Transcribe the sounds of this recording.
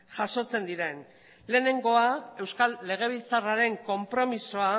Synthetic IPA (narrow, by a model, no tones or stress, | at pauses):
ʝaso̞t͡se̞nd̪iɾe̞n | le̞ːne̞ŋɡo̞ae̞wskalːe̞ɣ̞e̞β̞ilt͡saraɾe̞ŋko̞mpɾo̞misoa